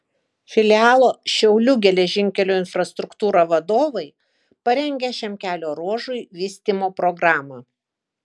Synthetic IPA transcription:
fʲɪlʲɪɑːlˠoːʃʲɛʊlʲʊɡʲɛlʲɛʒʲɪŋʲkʲɛlʲuːɪnfɾɐst̪ɾʊkt̪uːɾɑʋɐd̪oːʋɐɪ | pɐɾʲɛŋʲɡʲɛʃʲɛmʲkʲæːlʲoːɾuɔʒʊɪʋʲiːsʲt̪ʲimoːpɾɔɡɾɑːmɐ

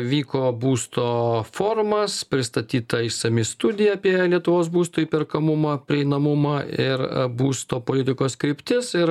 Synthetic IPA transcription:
ʋʲiːkoːbuːst̪oːfoːrmɐspʲɾʲɪst̪ɐt̪ʲiːt̪ɐɪsɐmʲɪst̪ʊd̪ʲɪjɛɐpʲiɛlʲiɛt̪ʊʋoːsbuːst̪oːiːpʲɪɾkɐmʊmɐːpʲɾʲɪɛɪnɐmʊmɐɪɾbuːst̪oːpoːlʲɪt̪ʲɪkoːskɾʲɪpʲt̪ʲɪsɪɾ

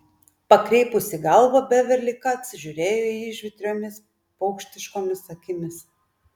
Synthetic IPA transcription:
pɐkɾʲɛɪpʊsʲɪɡɐlˠbɐbʲɛʋʲɛɾʲlʲɪkɐɐt̪ʲsʲɪʒʲʊɾʲeːjoːiɪʒʲʋʲɪt̪ʲɾʲoːmʲɪs | pɐʊkʃʲt̪ʲɪʃkoːmʲɪsɐkʲɪmʲɪs

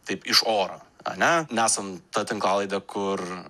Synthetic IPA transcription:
t̪ɐɪpɪʃoːɾo̰ːɐ̰nʲɛnʲæːsɐmt̪ɐt̪ʲɪŋklˠɑːlˠɐɪd̪ɐkʰʊr

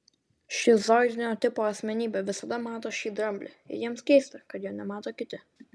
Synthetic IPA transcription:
ʃʲiːzod̪ʲnʲoːt̪ʲɪpoːɐsʲmʲɛnʲiːbʲɛʋʲɪsɐd̪ɐmɑːt̪oːʃʲiːd̪ɾɐmʲbʲlʲɪ̰ɪ̰jiɛmskʲɛɪsʲt̪ɐkɐt̪joːnʲɛmɑːt̪oːkʲɪt̪ʲɪ

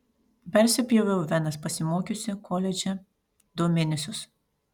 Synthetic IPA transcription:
pʲɛɾʲsʲɪpʲjɛʋʲɛʊʋʲɛnɐspɐsʲɪmoːkʲʊsʲɪkʰɔːlʲɛd͡ʒʲɛ | d̪ʊmʲɪnʲɪsʲʊs

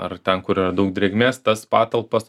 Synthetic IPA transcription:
ɐrt̪ʲɛnkʊɾɪrɐd̪ɐʊk̚d̪ʲɾʲɛːɡmʲeːst̪ɐspɑːt̪ɐlˠpɐs

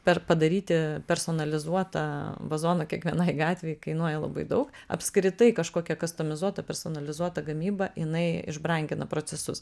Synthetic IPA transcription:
pʲɛrpɐd̪ɐɾʲiːt̪ʲɪpʲɛɾsoːnɐlʲɪzuɔt̪ɐʋɐzoːnokʲiɛkʋʲiɛnɑɪɡɑːt̪ʲʋʲɛjɛɪkɐɪnuɔjɛlˠɐ̰bɐ̰ɪd̪ɐʊkɐ̰pʲskɾʲɪt̪ɐɪkɐʃkoːkʲɛkɐst̪oːmʲɪzuɔt̪ɐpʲɛɾsoːnɐlʲɪzuɔt̪ɐɡɐmʲiːbɐjɪnɐɪɪ̰ʒbɾɐŋʲɡʲɪnɐpɾoːt͡ssʲɛsʊs

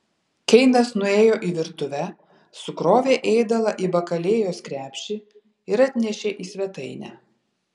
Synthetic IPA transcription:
kʲɛɪnɐsnʊeːjoːʔiːʋʲɪɾt̪ʊʋʲɛ | sʊkɾoːʋʲeːʔeːd̪ɐʋɐʔiːbɐkɐlʲeːjoːskɾʲæːpʲʃʲi | ɪɾɐt̪ʲnʲɛʃʲeːʔiːsʲʋʲɛt̪ɐɪnʲæ̰ː

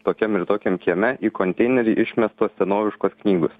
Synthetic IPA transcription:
t̪oːkʲɛmɪɾt̪oːkʲɛmkʲiɛmʲɛʔiːkonʲt̪ʲɛɪnʲɛɾʲiːʔɪʃʲmʲɛst̪uɔsʲsʲɛnoːʋʲɪʃkoːsknʲiːɡʊs

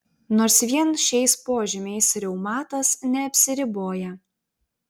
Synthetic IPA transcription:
noːɾsʋʲiɛnʃʲɛɪspoːʒʲɪmʲɛɪsɾʲɛʊmɑːt̪ɐsnʲɛɐpʲsʲɪɾʲɪboːjɛ

